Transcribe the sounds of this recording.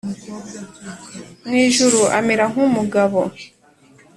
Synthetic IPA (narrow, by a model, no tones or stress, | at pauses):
mŋiːʒuɾuʔa̰meɾaŋ̥umuɡaβo̰